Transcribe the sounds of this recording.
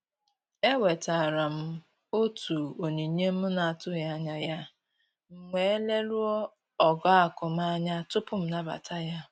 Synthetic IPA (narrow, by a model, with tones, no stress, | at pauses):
e˦we˨ta˨ɾa˨m̩˦ | o˦tu˨o˨ɲe˨˦ɲe˦m̩˦ʊ˦na˨tʊ˦ja˦ɲa˦ja˦ | ŋ͡m̩˨ŋe˨e˦le˦ɾu˦ɔ˦ | ɔ˨ɡɔ˦a˨kʊ˨m˦a˦ɲa˦tʊ˦pʊ˦m̩˦na˦ba̰˨tʰa˦ja˦